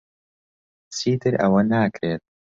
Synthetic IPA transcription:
t͡sʰiːt̪ʰɨɾɐ̰wɐnaːkɾeːt̪̚

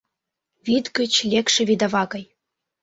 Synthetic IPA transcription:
vid̪ɡɘ̆t͡ɕlʲekʃĕvʲid̪ɑvɑɣɤ̆j

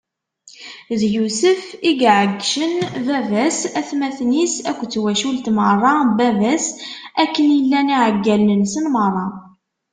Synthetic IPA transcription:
ðjusəfiɡʕəɡːʃənvævæsæθmæθnisækʷːt͡sːwæʃult̪mərˤːɑbævæsækːənjəlːæniʕəɡːælnənsənmərˤːɑ

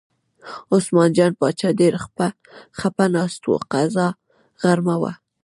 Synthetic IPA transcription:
ʊsmɑnd͡ʒɑnpɑt͡ʃɑdeɾaxpa | xapanɑst̪wo̰qazɑ | ɣaɾmawa̰

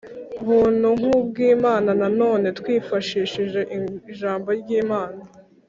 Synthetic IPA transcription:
βuːn̥uŋ̥ub̚ɡiːmaːnanano̞ːne̞twiːfaʃiʃiʒe̞ʔiʒaːmbo̞ɾɟiːmaːna

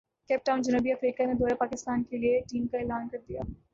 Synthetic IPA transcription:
kɛːp̚ʈaːʊnd͡ʒɐnuːbiɐfɾiːkaned̪oːɾapaːkɪst̪aːnkelieʈiːmkaeːlaːnkɐɾd̪ija̰ː

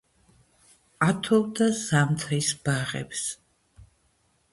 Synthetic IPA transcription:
at̪ʰɔvd̪azamt̪ʰisb̥aʁɛ̰ps

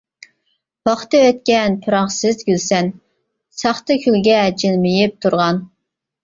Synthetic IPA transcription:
pɑχt̪ɨøt̪̚kʲɛnpʰɨɾɑχsɪzɡʲylsɛn | sɑχt̪ɨkʲʰylɡʲɛd͡ʒilmɪjip̚t̪ʰuɾʁɑn

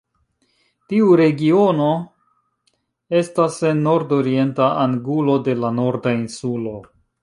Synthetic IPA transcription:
tiuɾe̞ɡio̞no̞ | e̞stase̞nːo̞ɾdo̞ɾie̞ntaaŋɡulo̞de̞lano̞ɾdainsulo̞

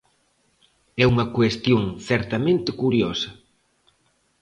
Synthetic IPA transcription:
ɛuŋɐkwest̪joŋθɛɾt̪ɐmẽnt̪ɪkuɾjosɐ

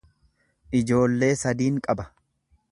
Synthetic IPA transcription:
ʔɪd͡ʒo̞ːlːe̞ːsɐd̪iːŋkʼɐbɐ̥

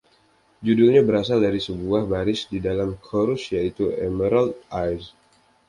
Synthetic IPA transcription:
d͡ʒudʊlɲabəɾasaldaɾisəbuahbaɾɪsdidalamkʰoɾʊsjait̪uɛməɾalt̪̚ajs

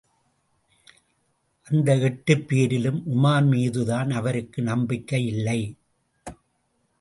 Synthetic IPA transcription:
ʔɐnd̪ɐɛʈːɯpːiːɾɪlɯmʔʊmaːnmiːðɯðaːnɐʋɐɾɯkːɯnɐmbɪkːɐjɪlːɐɪ

